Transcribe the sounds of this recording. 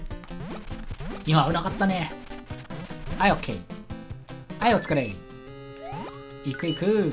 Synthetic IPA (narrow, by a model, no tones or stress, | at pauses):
imaɯnakat̪ːane | aiokʰːḛi | aiot͡sɨ̥kaɾeɾḭ | ikɯ̟ikɯ